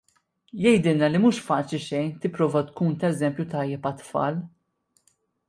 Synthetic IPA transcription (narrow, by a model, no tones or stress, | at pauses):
jɛjd̪ɪlnɐlimuːʃfɐːt͡ʃɪʃɛjnt̪ɪpːɾɔːvɐt̪kuːnt̪ɐɛzɛmpjut̪ɐjːɛpɐt̪fɐ̰ːl